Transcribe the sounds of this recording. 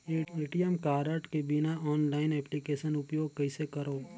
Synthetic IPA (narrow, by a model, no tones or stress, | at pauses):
iːʈijəmkaːɾəʈkebɪnaɔːnlaːɪnɛːplikeːʃənʊpjoːɡ̚kɐɪsekɐɾoː